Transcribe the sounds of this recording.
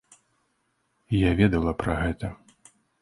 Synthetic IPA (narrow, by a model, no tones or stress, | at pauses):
javʲɛd̪ɐlˠɐpɾɐɣɛt̪ɐ